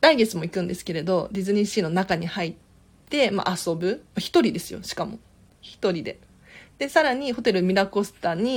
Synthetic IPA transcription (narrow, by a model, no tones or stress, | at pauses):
ɾaiɡe̞t͡sɨmo̞ikɯ̟̃nd̪e̞sɨ̥ke̞ɾe̞d̪o̞ɾʲizɨɲ̟iɕiːno̞nakaɲ̟ihait̪ː | e̞ma̰ʔaso̞bɯ̟maçi̥t̪o̞ɾʲid̪e̞sɨjo̞̰ɕi̥kamo̞̰ | çi̥t̪o̞ɾʲid̪e̞̰ | d̪̥e̞saɾaɲ̟iho̞t̪e̞ɾɯmʲiɾako̞sɨ̥t̪aɲ̟i